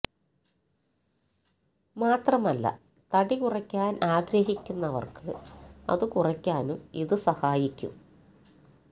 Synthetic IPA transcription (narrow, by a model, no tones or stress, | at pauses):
maːt̪rɐmɐlːɐ̰ | t̪ɐɽikurɐkʲːaːnʔaːɡɾɐhikʲːunːɐʋɐ̰rkɨɐ̰ðɨkurɐkʲːaːnumiðɨsɐhaːjikʲːṵm